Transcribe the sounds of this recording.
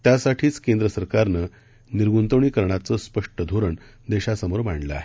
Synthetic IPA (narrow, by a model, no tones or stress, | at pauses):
t̪jasaʈʰiːt͡skend̪ɾəsəɾkaɾnə | niɾɡunt̪oɳiːkəɾɳat͡səːspəʂʈəd̪ʱoɾəɳ | d̪eɕasəmoɾmaɳɖləa̰ɦe